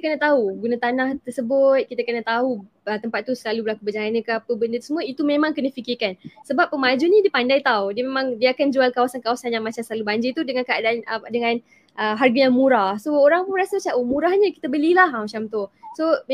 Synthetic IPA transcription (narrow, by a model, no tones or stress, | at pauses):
kənət̪aɦuɡunat̪anaht̪ərsəbʊt̪̚kit̪əkənət̪aɦu | ət̪əmpat̪ːusəlalubəlakubəd͡ʒaŋanəkəapəbəndət̪əsəmũəit̪umemãŋkənəfikɪkansəbap̚ːəmad͡ʒunĩdiəpandajt̪awdiəmemaŋdiəakand͡ʒualkawasankawasanjaŋmat͡ʃamsəlalubaɲd͡ʒɪrt̪udəŋankəadaʔanədəŋaan | ʔəɦarɡəjaŋmũɾahsooɾaŋpʊnrasəsaʔomũɾahɲəki̥t̪əbəlilaɦmat͡ʃamt̪ʊso